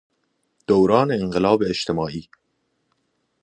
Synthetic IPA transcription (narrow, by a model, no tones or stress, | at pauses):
d̪̥owɾɑːneːŋɢelɒːbeːʃt̪ʰemɒːʔiː